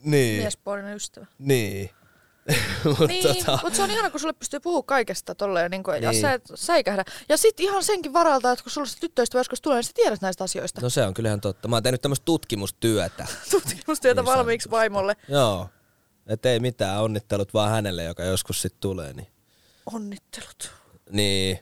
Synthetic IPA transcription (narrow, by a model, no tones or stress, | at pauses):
niːmiɛsponineyst̪æʋæniː | mutniːot̪ʰɑmut̪seonihɑnɑkusulːepyst̪yːpuhuːkkɑikest̪ɑt̪olːeːniŋkojɑsæt̪sæikæhdæjɑsit̪ihɑnseŋkiʋʋɑrɑlt̪ɑːjot̪kusulːest̪æt̪yt̪ːøist̪ʋæjoskust̪uleˑːnist̪æt̪iæɾæt̪næist̪ɑsioist̪ɑnoseoŋkylhænt̪ot̪ːɑmɑːntehnyt̪æmːst̪̚t̪ut̪kimust̪yœt̪æ̰t̪ut̪kimust̪yæt̪æʋɑlmiːksʋɑimolːejoː | et̪ːeimit̪æːonːit̪ːelut̪ʋɑːhænelːḛjokɑjoskussit̪t̪ulḛːnḭ | onːit̪ːe̥lu̥t̪niː